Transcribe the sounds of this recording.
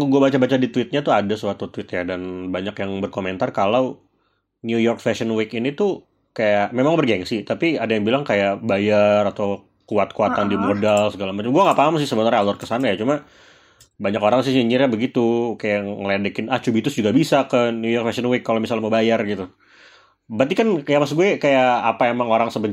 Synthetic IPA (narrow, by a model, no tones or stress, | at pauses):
kɡuabat͡ʃabat͡ʃadit̪uɪt̪̚ɲat̪uadasuat̪ut̪wɪt̪jadanbaɲakjaŋbərkoment̪arkalaw | njujɔrkfɛsənwɪkinit̪u | kajaʔmemaŋbərɡɛŋsit̪apiadajaŋbilaŋkajaʔbajarat̪aw | kuat̪̚kuat̪andimodalsəɡalamat͡ʃamɡuaŋapaamas̬ɪsəbənaɾɲalʊrkəsanajat͡ʃuma | baɲakoɾaŋsɪhɲəɲirabəɡit̪ukajaŋŋəladəkɪnat͡ʃubit̪ʊsd͡ʒuɡabisakənjujɔrkfɛsənwɪkːalawmisalməbajarɡit̪u | bat̪ikankajamas̬ɡuɛkajaːpaemaŋoɾaŋsəbə